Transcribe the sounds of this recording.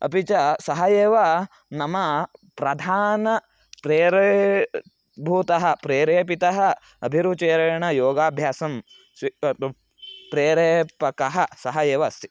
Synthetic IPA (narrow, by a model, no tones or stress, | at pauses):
ɐ̰pit͡ʃɐsɐɦɐeːʋɐ | nɐmɐpɾɐd̪ʱaːnɐ | pɾeːɾe | bʱuːt̪ɐɦɐ̆pɾeːɾeːpit̪ɐɦɐ | ɐbʱiɾut͡ʃeːɾɐɐɳɐjoːɡaːbʱjaːsɐm | sʋi | pɾeːɾeːpɐkɐɦɐsɐɦɐeːʋɐɐst̪ʰi̥